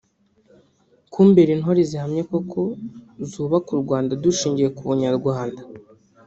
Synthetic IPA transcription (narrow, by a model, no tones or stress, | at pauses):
kʰumbe̞ɾinɦo̞ɾezihamɲeko̞kʰo̞zuːβakuɾɡwaːndaduʃiːɲɟije̞kuβuɲaɾɡwaːnda